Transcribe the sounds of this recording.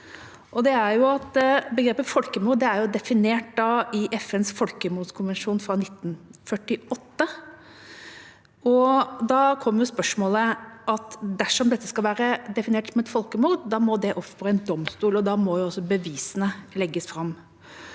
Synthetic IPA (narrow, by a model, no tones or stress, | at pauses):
ʔɔd̪ɛæɾjʊɑt̪bəɡɾeːpəfɔlkəmuːɾd̪ɛæɾjʊd̪ɛfɪneːʈ̚d̪ɑɪʔɛfɛnsfɔlkəmuːɾskʰʊnʋɛnʂuːnfɾɑnɪt̪ːn̩fœʈːɪɔt̪ːə | ɔd̪ɑːkʰɔmːəjʊspœʂmɔːləʔɑt̪d̪æʂɔmd̪ɛt̪ːəskɑʋæːɾəd̪ɛfɪneːʈsɔmɛt̪fɔlkəmuːɾd̪d̪ɑːmɔd̪ɛʔɔpfɔɾæɪnd̪ɔmst̪uːlɔd̪ɑmɔjʊɑsːɔbəʋiːsənəlɛɡːəsfɾɑmː